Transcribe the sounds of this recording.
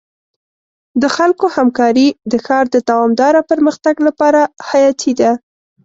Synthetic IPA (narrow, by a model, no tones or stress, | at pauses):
d̪əxalkohamkɑɾid̪əxɑɾd̪əd̪awɑmd̪ɑɾapəɾməxt̪aɡlapɑɾahajɑt̪ʰid̪a